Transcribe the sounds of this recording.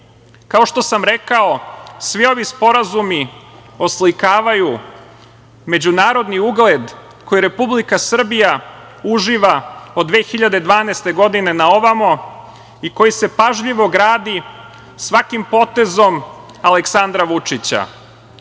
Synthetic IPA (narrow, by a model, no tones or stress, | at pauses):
kao̞ʃt̪o̞samɾe̞kao̞sʋio̞ʋispo̞ɾazumio̞slikaːʋaju | me̞d͡ʑunaːɾo̞d̪niuɡled̪ | ko̞jiɾe̞publikasr̩bija | uʒiʋaod̪ʋeːxiʎad̪ed̪ʋaːneːst̪e̞ɡo̞d̪ine̞nao̞ʋamo | iko̞jise̞paʒʎiʋo̞ɡɾaːd̪i | sʋakimpo̞t̪e̞zo̞m | aleksand̪ɾaʋut͡ʂit͡ɕa̰